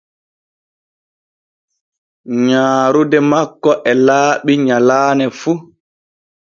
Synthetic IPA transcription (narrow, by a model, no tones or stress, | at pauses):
ɲaːɾudɛmakːɔʔɛlaːɓiɲalaːnɛfu